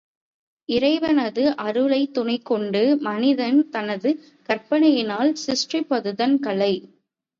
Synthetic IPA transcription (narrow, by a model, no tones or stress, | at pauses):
ɪɾɐɪʋɐnɐðɯʔɐɾɯɭɐɪt̪ːʊɳɐɪkːɔɳɖɯmɐnɪðɐnt̪ɐnɐðɯ | kɐɾpɐɳɐjɪnaːlsɪsʈripːɐðɯðɐnkɐɭɐɪ